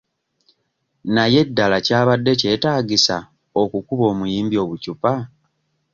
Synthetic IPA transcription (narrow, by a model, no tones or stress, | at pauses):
naje̞dːalacaːβadːe̞ce̞ːtaːɡisa | o̞kukuβo̞ːmujiːmbio̞ːβucupa